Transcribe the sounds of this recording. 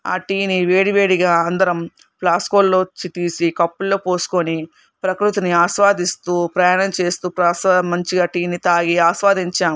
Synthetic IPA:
a̰ːʈiːniʋe̞ːɽiʋe̞ːɽiɡaːɐnd̪ɐɾɐm | plaːskoːlloːt͡ʃːit̪iːsikɐpːulːo̞ːpoːsu̥koni | pɾɐkɾut̪uniaːʃʋaːd̪ist̪uːpɾɐjaːnɐmt͡ʃe̞ːst̪uːpɾɐsamɐɲt͡ʃiɡaːʈiːnit̪aːɡiaːsʋaːd̪iɲt͡ʃaːm

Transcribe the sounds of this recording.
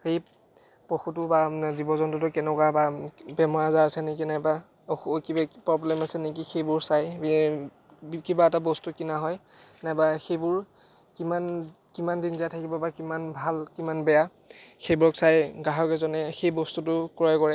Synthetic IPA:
xej | pɔxutʊbazibɔzɔntʊtʊkɛnɛkwababɛmɔazaɹasɛnekinajba | ɔxkiapɹɔblɛmasɛnekixejbʊɹsaj | kibaɛtabɔstukinaɦɔj | najbaxejbʊɹ | kiman | kimandinzijatʰakibɔbakimanbʱalkimanbɛja | xejbuɹɔksajɡaɦɔkɛzɔnɛxejbɔstutʊkɹajkɔɹɛ

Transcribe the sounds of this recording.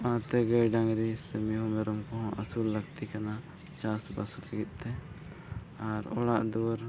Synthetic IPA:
ãt̪ɛɡəjɖaŋɾisəmiɦũmɛɾɔmkɔɦɔ̃ʔəsulːəɡt̪ikana | t͡ʃasba̰slaɡit̪̚ˀt̪ɛ | aɾɔ̰ɽaʔd̪uɾ

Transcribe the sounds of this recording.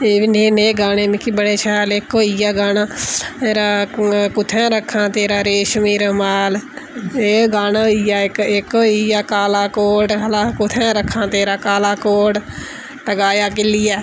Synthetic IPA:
eːʋineːneːɡaːneːmɪkʰːibəɽeːʃɛːlɪkɦoːiaːɡaːnaːeːɾaːkʊt̪ʰɛ̃ːɾəkʰːãːt̪eːɾaːɾeːʃmiːɾmaːleːɡaːnãːɦoːijaːɪkɪkɦoːiaːkaːlaːkoːɖɦəlãːkʊt̪ʰɛ̃ːɾəkʰːãːt̪eːɾaːkaːlaːkoːɖ | ʈəɡaːjaːkɪlɪjɛː

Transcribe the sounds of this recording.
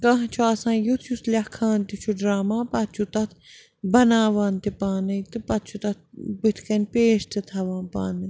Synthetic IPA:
kɐɦt͡ʃʰuasãːjut̪ʰjuslʲɐkʰːaːnt̪it͡ʃʰuɖɾaːmãːpɐt̪̚t͡ʃʰut̪ɐt̪ʰ | bɐnaːʋaːnt̪ipaːnɐjt̪ɨpɐt̪̚t͡ʃʰut̪ɐt̪̚ʰbɨt̪ʰkɐnpeːʃt̪ɨt̪ʰɐʋãːnpa̰ːnɨ

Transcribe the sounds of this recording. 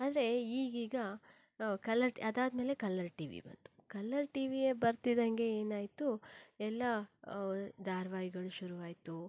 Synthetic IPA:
aːd̪ɾe̞iːɡiːɡɐ | kɐlɐɾʈiɐd̪aːd̪me̞ːle̞kɐlɐɾʈḭːʋḭbɐ̰nd̪u̥kɐlːɐɾʈiːʋijebɐɾt̪id̪ɐŋɡe̞eːnaːjt̪uɛlːɐ | d̪aːɾʋaːɦiɡɐɭuʃuɾuʋaːjt̪u

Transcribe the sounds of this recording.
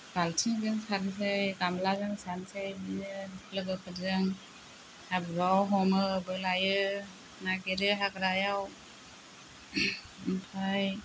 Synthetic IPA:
ɡ̥altʰiŋɡɯŋsaɾns̬ɯjɡamlazɯŋsansajbinɯpʰlɯɡɯkʰɯzɯŋ | habɾawɦɔmɯbɯlajɯ | naɡeɾɯɦakɾajaw | mpʰaj

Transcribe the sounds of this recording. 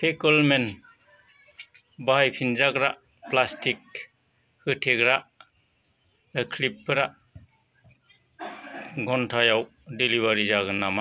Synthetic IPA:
pʰekɔlmen | bajpʰinzaɡɾaʔ | plastik̚ | hɯtʰeɡɾaʔ | ekʰlipːɯɾaʔ | ɡɔntʰajawdiliβaɾizaɡɯnːama

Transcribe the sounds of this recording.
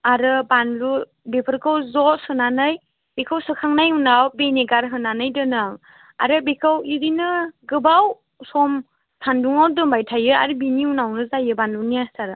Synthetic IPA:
aɾɯbanlu | bepʰɯɾkɯwzɔtsɯnanɯj | b̥ekʰawsɯkʰaŋnajunawbeneɡaɾɦɯnanɯjdɯnɯŋ | a̰ɾɯbekʰɯwiɾinɯɡɯbaw | sɔm | sʰanduŋawdɯmbajtʰajɯa̰ɾɯbiniunawnɯzajɯbanlunijasaɾɯ

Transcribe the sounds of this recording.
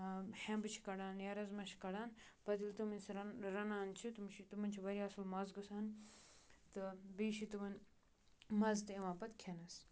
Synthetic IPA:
hẽmbɨt͡ʃʰi̥kɐɽaːnjɐɾɐzmɐʃʰi̥kɐɽaːnbɐd̪ilt̪uminsɾɐnaːnt͡ʃʰit̪umt͡ʃʰit̪umɐnʲt͡ʃʰiʋɐɾiɐsulmɐzɡusaːn | t̪ɨbiːʃit̪umɐn | mɐzt̪ɨimãːpɐt̪kʰenɐs

